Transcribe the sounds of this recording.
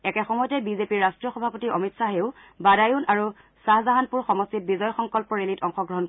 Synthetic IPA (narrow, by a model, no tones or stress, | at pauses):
ɛkɛxɔmɔjɔtɛbizepiɹːastɹijɔxɔbʱapotiɔmitsaɦeʊ | badajunaɹu | saɦzaɦanpuɹxɔmɔstit̚bizɔjxɔŋkɔlpɔɹelitɔŋxɔɡɹɔɦɔn